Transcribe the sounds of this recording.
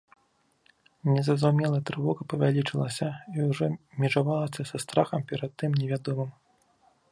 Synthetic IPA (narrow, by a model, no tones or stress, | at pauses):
nʲɛzɐzawmʲɛlˠɐt̪ɾɨvɔɣɐpɐvʲalʲit͡ʂɨlˠɐsʲɐiwʐɔmʲɛʐavalˠɐsʲɐsast̪ɾaxɐmpʲɛɾɐt̪ːɨmnʲɛvʲad̪ɔmɨm